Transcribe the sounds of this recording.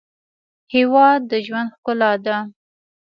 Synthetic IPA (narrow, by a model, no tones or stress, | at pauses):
hewɑd̪ːəʒwand̪xkʊlad̪a